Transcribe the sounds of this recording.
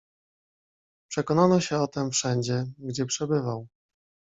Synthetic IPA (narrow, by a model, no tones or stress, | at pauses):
pʂɛkɔnanɔɕɛɔt̪ɛmfʂɛɲd͡ʑɛɡd͡ʑɛpʂɛbɘvaw